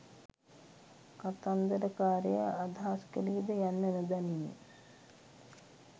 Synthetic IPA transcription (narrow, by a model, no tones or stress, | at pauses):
kat̪and̪əɾəkaːɾeja̰ad̪ʱaːskəlid̪əjanːɛnəd̪anin